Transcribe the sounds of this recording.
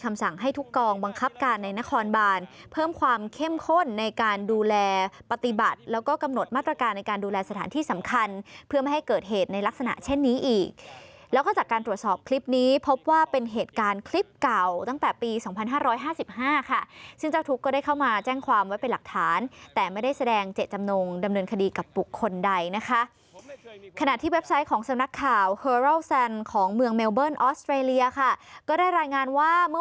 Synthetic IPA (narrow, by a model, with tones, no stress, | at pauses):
kʰa˧msa˨˩ŋɦa˥˩jt̪ʰu˦˥kːɔː˧ŋba˧ŋkʰa˦˥p̚kaː˧nːa˧jna˦˥kʰɔː˧nbaː˧npʰɤː˥˩mkʰwaː˧mkʰe˥˩mkʰo˥˩nːa˧jkaː˧nduː˧lɛː˧pa˧t̪i˨˩ba˨˩t̪̚lɛː˦˥wkɔː˥˩ka˧mno˨˩t̪̚maː˥˩t̪ɾa˧kaː˧nːa˧jkaː˧nduː˧lɛː˧sa˧t̪ʰaː˩˦nt̪ʰiː˥˩sa˩˦mkʰa˧npʰɯ˥˩əma˥˩ha˥˩jkɤː˨˩t̪̚ɦeː˨˩t̪̚na˧jla˦˥k̚sa˧na̰˨˩ʔt͡ɕʰe˥˩nːiː˦˥ʔiː˨˩k̚lɛː˦˥wkʰa˥˩t͡ɕaː˨˩kːaː˧nt̪ɾu˨˩ət̪sɔː˨˩p̚kʰli˦˥p̚niː˦˥pʰo˦˥p̚waː˥˩pe˧nɦeː˨˩t̪̚kaː˧nkʰli˦˥p̚ka˨˩wt̪a˥˩ŋt̪ɛː˨˩piː˧sɔː˩˦ŋpʰa˧nɦaː˥˩ɾɔː˦˥jɦaː˥˩si˨˩p̚haː˥˩kʰa˥˩sɯ˥˩ŋt͡ɕa˥˩wt̪ʰu˦˥kːɔː˥˩daː˥˩jkʰa˥˩wmaː˧t͡ɕɛː˥˩ŋkʰwaː˧mwa˦˥jpe˧nla˨˩k̚t̪ʰaː˩˦nt̪ɛː˨˩ma˥˩jda˥˩jsa˧dɛː˧ŋt͡ɕe˨˩t̪̚t͡ɕa˧mnoː˧ŋda˧mnɤː˧nkʰa˧diː˧ka˨˩p̚ːbu˨˩kʰːo˧nda˧jna˦˥kʰa˦˥ʔ | kʰa˧na˨˩t̪ʰiː˥˩we˦˥p̚sa˦˥jkʰɔː˩˦ŋsa˧mna˦˥kʰːaː˨˩whɤː˧ɾo˥˩wsa˧nkʰɔː˩˦ŋmɯ˧əŋme˧wbɤː˥˩nʔɔː˦˥st̪ɾeː˧li˧ɐkʰa˥˩kɔː˥˩daː˥˩jɾaː˧jŋaː˧nwaː˥˩mɯ˥˩˨